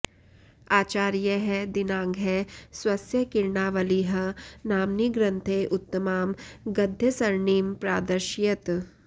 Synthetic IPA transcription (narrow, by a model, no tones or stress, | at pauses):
aːt͡ʃaːɾjɐɦɛd̪ɪnãːŋɡʱɦɛswɐsjɐkɪɾɳaːʋɐliɦɐnaːmniɡɾɐ̃nt̪ʰeːʔʊt̪ːəmaːmɡɐd̪ʱjɐsɐɾɳiːmpɾa̰ːd̪ɐɾʃjɐt̪